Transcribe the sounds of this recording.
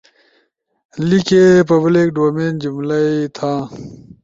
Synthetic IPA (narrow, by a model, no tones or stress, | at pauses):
likepɐblek̚ɖoːmeːnd͡ʑumlɐit̪ʰãː